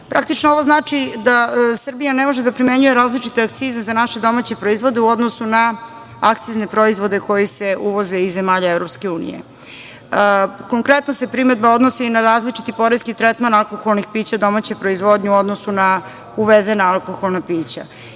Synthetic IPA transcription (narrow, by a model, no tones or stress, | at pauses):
pɾak̚t̪it͡ʃnooʋo̞znaːt͡ʃid̪asr̩bijanemoʒed̪apɾime̞ɲuje̞ɾaːzlit͡ʃit̪eak̚t̪sizezanaʃe̞d̪o̞maːt͡ɕe̞pɾo̞izʋo̞d̪euo̞d̪nosuna | akt̪sizne̞pɾoizʋo̞d̪eko̞jise̞uʋo̞ze̞izːe̞maːʎaevɾo̞pske̞uːnḭjḛ | ko̞ŋkɾe̞t̪nose̞pɾime̞d̪bao̞d̪nosiːnaɾaːzlit͡ʃit̪ipo̞ɾeskit̪ɾet̪manalˠko̞xolnixpiːt͡ɕad̪o̞mat͡ɕepɾo̞izʋo̞d̪ɲeuo̞d̪nosuna | uʋezenaalˠkoxo̞lˠnapiːt͡ɕa̰